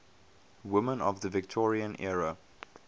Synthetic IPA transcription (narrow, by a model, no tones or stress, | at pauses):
wɪmə̃nɔ̰vðəvɪk̚tʰɔɹiə̃nʔɛɹə